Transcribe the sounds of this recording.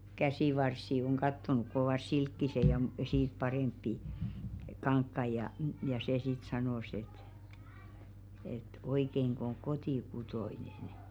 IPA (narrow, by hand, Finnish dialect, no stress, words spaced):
kæsiˑʋɑrsːi oŋ ɡ̊ɑtːonuk kŏ oʋɑˑs silkːise jɑ m siːt pɑreˑmpːi kɑŋkːɑi jɑ jɑ seˑ sit sɑnoˑs et et oikeiŋkŏ oŋ kotikutoinen